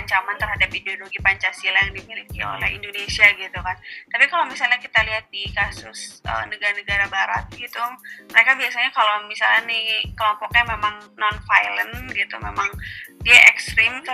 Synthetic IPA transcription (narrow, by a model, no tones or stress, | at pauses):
aɲt͡ʃamant̪ərhadapideoloɡipaɲt͡ʃasilajaŋdimilikio̰lɛ̰hḭndonesiaɡit̪ukant̪apikalomisalɲakit̪aliɦat̪̚dikasʊsʔə̰nəɡaɾanəɡaɾabaɾa̰t̪̚ɡit̪uməɾekabiasaɲakalowmisalɲanikəlɔmpɔk̚ɲamemaŋnɔnfajlənɡit̪umemaŋdiaʔɛkst̪ɾim